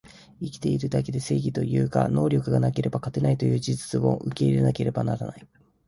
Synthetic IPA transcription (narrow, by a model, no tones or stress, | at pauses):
ikʲi̥t̪e̞iɾɯ̟d̪ake̞d̪e̞se̞ːɡʲit̪o̞jɯ̟ːka̰no̞ːɾʲo̞kɯ̟ɡanake̞ɾe̞bakat̪e̞nait̪o̞jɯ̟ːd͡ʑizɨt͡sɨmo̞̰ʔɯ̟ke̞iɾe̞nake̞ɾe̞banaɾanai